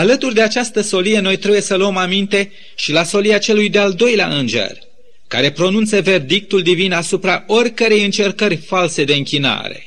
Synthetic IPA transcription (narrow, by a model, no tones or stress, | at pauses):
alət̪urʲd̪e̞at͡ʃast̪əso̞lije̞no̞jt̪ɾe̞buje̞səluəmamint̪e̞ | ʃilaso̞lijat͡ʃe̞lujd̪e̞ald̪o̞jlea̰ʔɨnd͡ʒe̞̰rʲ | ka̰ɾe̞pɾo̞nunt̪seve̞rd̪ik̚t̪uld̪ivinasupɾao̞rʲkəɾe̞jɨnt͡ʃe̞rkərʲfalse̞d̪e̞ɨŋkʲina̰ɾe̞̰